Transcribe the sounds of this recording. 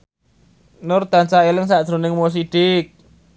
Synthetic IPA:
nʊrd̪̥a̤nsaelɪŋsaʔd̥ʒ̥ɾo̤nɪŋmos̬iɖ̥ɪk̚

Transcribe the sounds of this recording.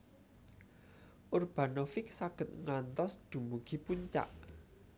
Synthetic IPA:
ʔurb̥a̤nofɪk̚saɡ̥ə̤t̪̚ŋant̪ɔsd̪̥ṳmuɡ̥i̤puɲt͡ʃa̰ʔ

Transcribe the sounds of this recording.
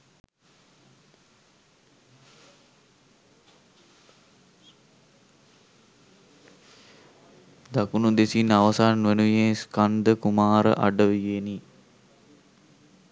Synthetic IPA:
d̪akunud̪esinaʋəsaːnʋenujẽːskand̪əkumaːɾə̰ʔa̰ɖəʋijeni

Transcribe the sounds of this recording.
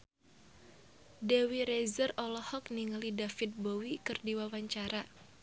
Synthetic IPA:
dɛwiɾezərɔlɔhɔk̚niŋəlidafɪt̪̚bowikɨrdiwawaɲt͡ʃaɾa

